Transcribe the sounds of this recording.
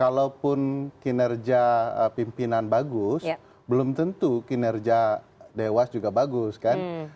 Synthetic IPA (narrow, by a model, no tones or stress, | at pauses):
kalawpʊnkinɛrd͡ʒiaəpimpinanbaɡʊs | bəlʊmt̪ənt̪ukinɛrd͡ʒa | dewasd͡ʒuɡabaɡʊskan